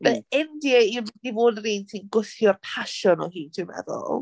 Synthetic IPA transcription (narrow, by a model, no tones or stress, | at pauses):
b̥ɛɛndiɛirdivoːdriːntʰinɡʊθjɔrpʰaʃɔnɔhiːtʰɪmɛ̰ðɔ̰lˠ